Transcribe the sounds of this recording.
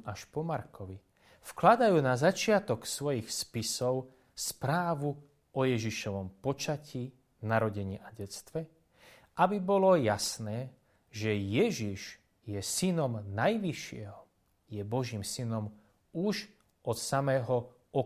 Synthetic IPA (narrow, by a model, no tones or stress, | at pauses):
aʃpɔmaɾkɔʋi | fklad̪ajuːnazat͡ʃɪat̪ɔksʋɔjixspisɔʊ | spɾaːʋu | ʔɔjɛʒiʃɔʋɔmpɔt͡ʃaciː | naɾɔɟɛɲiːʔaɟɛt͡st̪ʋɛ | abibɔlɔjasnɛː | ʒɛjɛʒiʒ | jɛsinɔmnajʋiʃɪɛɦɔ | jɛbɔʒiːmsinɔm | uʒ | ɔt̪samɛːɦɔ | ʔɔ